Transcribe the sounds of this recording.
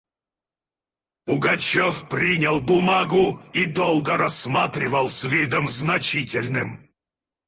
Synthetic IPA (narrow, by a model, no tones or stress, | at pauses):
pʊɡɐt͡ɕofpɾʲinʲɪlˠbʊmaɡʊid̪olˠɡəɾɐsmat̪ɾʲɪvəlˠsʲvʲid̪əmznɐt͡ɕitʲɪlʲnɨm